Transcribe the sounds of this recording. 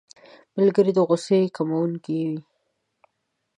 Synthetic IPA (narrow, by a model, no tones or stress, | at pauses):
malɡəɾid̪əɣʊsekamawuŋkiwi